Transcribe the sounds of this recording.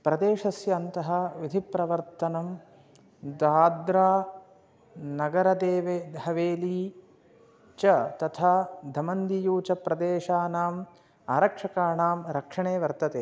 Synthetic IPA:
pɾɐd̪eːʂɐsjɐːnt̪ɐɦɐ̆ʋid̪ʱipɾɐʋɐɾt̪ɐnɐm | d̪aːd̪ɾaː | nɐɡɐɾɐd̪eːʋeːd̪hɐʋeːliː | t͡ʃɐt̪ɐt̪ʰaːd̪ʱɐmɐnd̪ijuːt͡ʃɐpɾɐd̪eːʃaːnaːm | aːɾɐkʂɐkaːnaːmɾɐkʂɐɳeːʋɐɾt̪ɐt̪eː

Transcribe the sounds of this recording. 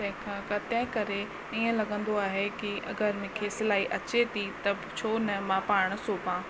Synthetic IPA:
t̪ɐ̃ɦɪ̃kʰãːkɐt̪ɛ̃ɦkɐɾe | iə̃lɐɡə̃nd̪oaːɦekiʔɐ̰ɡəɾmɪ̃kʰesɪlaːiʔɐt͡ɕet̪ʰit̪ɐbt͡ɕʰoːnɐmãpaːɽ̃̆soːpãː

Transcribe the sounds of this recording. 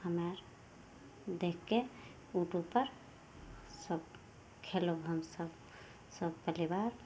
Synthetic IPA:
həmeɾ | d̪ekʰːe | uʈupəɾ | səb | kʰeloɦəmsəb | səb̚pəlibaɾ

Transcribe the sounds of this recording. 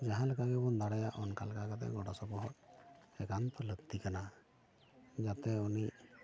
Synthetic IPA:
d͡ʒaɦãləkaɡɛbɔnd̪aɽajaʔɔnkalkakat̪ɛ̰ɡɔɖɔsɔbɔɦɔtɛkant̪ɔləɡt̪ikana | d͡ʒat̪ɛuniʔ

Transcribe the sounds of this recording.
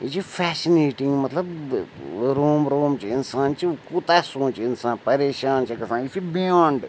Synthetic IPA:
it͡ʃipʰɛːsineːʈɪ̃ŋɡmɐt̪lɐb | ɾoːmɾoːmt͡ʃiɪnsaːnt͡ʃikut̪aːsõːt͡ʃɪnsãːnpɐɾeːʃaːnt͡ʃʰikɐsãːnifibijãːɳɖ

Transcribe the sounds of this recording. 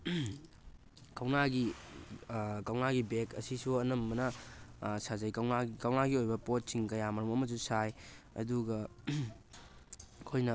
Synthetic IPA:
kɐwnaɡi | kɐwnaɡibekɐ̰sisuɐnɐmːɐnɐ | sazɐjkɐwnakɐwnaɡiojbɐpot̚siŋkɐjamɐɾɐmɐmɐs̬usaj | ɐ̰duɡɐ | kʰojnɐ

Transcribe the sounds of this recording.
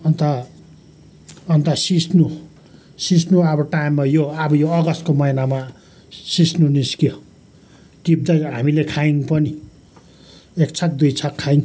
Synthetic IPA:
ʌnt̪a | ʌnt̪ʌsisnu | sisnuabʌʈajimːajoʌbʌjoʌɡʌst̪komʌjnama | sisnuniskijo | kib̚d̪ʌɦamilekʰaiŋpʌni | ekt͡sʰʌk̚d̪ujt͡sʰʌkkʰːaiŋ

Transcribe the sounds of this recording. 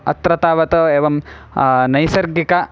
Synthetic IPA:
ɐ̰t̪ɾɐt̪aːʋɐt̪ɐeːʋɐm | nɐjsɐɾɡikɐ

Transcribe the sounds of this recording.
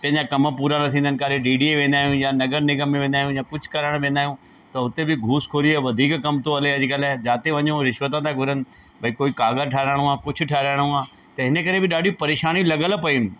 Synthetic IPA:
pɐ̃ɦɪ̃ɲd͡ʑakɐməpuːɾanɐt̪ʰĩːnd̪ənɪ̆kaːɾeɖiːɖieʋẽːnd̪aːɦijũjãnɐɡəɾnɪɡəmːẽʋẽːnd̪aːɦjũjakʊd͡ʑʱʊ̥̆kɐɾəɽ̃ʋẽːnd̪aːɦjũ | t̪ɐɦʊt̪ebɪɡʱuːskʰoːɾieʋɐd̪ʱiːkkɐmt̪oɐleɐd͡ʑikəlad͡ʑaːt̪eʋɐɲoɾɪʃʋət̪̬ãt̪ʰãɡʱʊɾənɪ̆ | bʱɐikoːikaːɡəʈʰaːɾaːɽ̃ũaːkʊd͡ʑʰʱʊ̆ʈʰaːɾaːɽ̃ũãː | t̪ɐɦɪnəkɐɾebɪɗaːɖʱipɐɾeːʃaːnilɐɡəlpɐiʊnɪ̆

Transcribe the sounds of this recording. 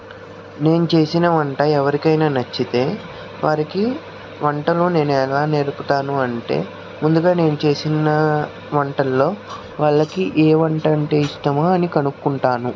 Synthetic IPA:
ne̞ːnut͡ʃe̞ːsinɐʋɐɳʈɐːɛʋɐɾikɐjnaːnɐt͡ʃːit̪e̞ː | ʋaːɾiki | ʋɐɳʈɐlune̞ːnuɛlaːne̞ːɾuput̪aːnuɐɳʈe̞̰ː | mund̪uɡaːne̞ːnut͡ʃe̞ːsinɐ | ʋɐɳʈɐlːo̞ː | ʋaːɭːɐkiʔeːʋɐɳʈɐɳʈeːisʈɐmaːɐnikɐnukkːuɳʈaːnu

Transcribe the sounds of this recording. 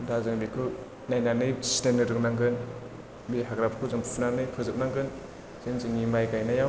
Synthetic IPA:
dazɯŋbikʰɯ | najnanɯjsi̥tenːɯɾɯk̚naŋɡɯn | biɦaɡɾapʰkʰɯzɯŋpʰunanɯjkʰɯzɯp̚naŋɡɯn | zenzɯŋimajɡajnajaw

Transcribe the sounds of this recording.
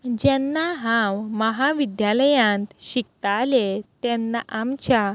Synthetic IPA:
d͡ʑɛnːaɦãwməɦaʋid̪jaləjãnt̪ɕik̚t̪alet̪ɛnːaʔamt͡ɕja

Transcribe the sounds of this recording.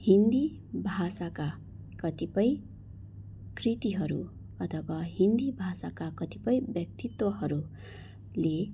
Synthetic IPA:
hind̪i | bʱasaka | kʌt̪ipʌj | krit̪iɦʌɾṵ | ʌt̪ʰʌbʌɦind̪ibʱasakakʌt̪ipʌjbjʌk̚t̪it̪wʌɦʌɾu | le

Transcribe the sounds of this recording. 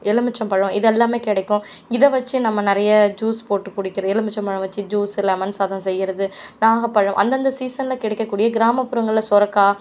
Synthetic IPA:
ɛɭɯmɪt͡ʃːɐmpɐɻʊ̃ɪðɛlːaːmeːkɪɽɐɪkːʊ̃ | ɪðɐʋɐt͡ʃːɯnɐmːɐnɪɾɐjɐd͡ʒuːspoːʈːɯkːʊɽɪkːɪɾɐðɛɭɯmɪt͡ʃːɐmpɐɻɐ̃ʋɐt͡ʃːɯd͡ʒuːsɪlɐɐmɐnsaːðɐ̃msɛjːɪɾɐðɯnaːɣɐpːɐɻɐ̃mʔɐ̰nd̪ɐnd̪ɐsiːsɐnɪlɐkɪɽɛkːɐkːuːɽɪjɐɡɪɾaːmɐpːʊɾɐŋɡɐɭɪlɐsɔɾɐkːaː

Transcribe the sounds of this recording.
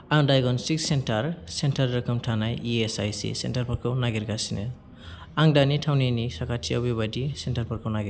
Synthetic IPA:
aŋdajɡɔnsik̚sentaɾsentaɾːɯkɯmtʰanajiesajsḭsḛntaɾpʰɔɾkʰɯwnaɡiɾɡasinɯ̰ | aŋdanitʰawninisakʰatʰija̰bibadisentaɾpʰɔɾkʰɯwnaɡiɾ

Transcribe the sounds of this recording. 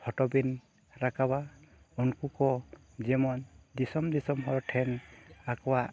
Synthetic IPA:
pʰɔʈɔbin | ɾakaba | unkukɔ | zɛmɔnd̪isɔmd̪isɔmɦɔɹʈʰɛnakɔwa

